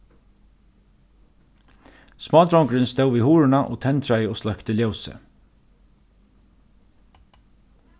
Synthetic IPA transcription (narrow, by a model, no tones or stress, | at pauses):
smɑːd̪ɾawŋkɾɪnst̪ɛwvihuːɹɪnaʔɔ̰t̪ʰɛnt̪ɾajəɔslœkt̪əljowsə̰